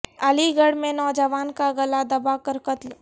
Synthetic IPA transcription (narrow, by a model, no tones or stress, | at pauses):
aliɡəɽmẽnɔːd͡ʒəʋaːnkaɡɐlad̪ɐbakəɾkət̪l